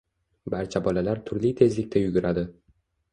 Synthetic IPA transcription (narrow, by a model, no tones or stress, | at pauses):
baɾt͡ʃʰabɒlalaɾt̪ʰʊɾlit̪ʰe̞zlɪkʲt̪ajʊɡʲʊɾad̪ɪ